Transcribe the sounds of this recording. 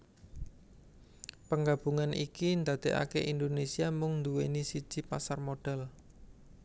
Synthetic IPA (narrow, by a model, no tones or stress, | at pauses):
pəŋɡab̥uŋanʔikind̪a̤d̪̥e̤ʔa̰keʔind̪onesiamʊŋnd̪uwenisid̥ʒ̥i̤pasarmoɖ̥ɛl